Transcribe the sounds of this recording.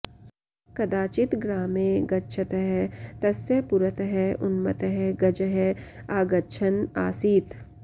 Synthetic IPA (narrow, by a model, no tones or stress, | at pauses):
kɐd̪aːt͡ʃɪt̪ɡɾaːmẽɡɐtːʃʰət̪ɦɛt̪ɐsepʊɾət̪ɦɛʊnmət̪ɦɛɡɐd͡ʒɦɛ | aːɡɐt͡ʃʰəna̰ːsiːt̪